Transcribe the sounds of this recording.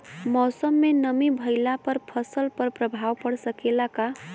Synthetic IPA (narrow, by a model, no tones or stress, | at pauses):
mɔsəmːenəmibʱəɪlapəɾpʰəsəlpəɾpɾəbʱawpəɽsəkelaka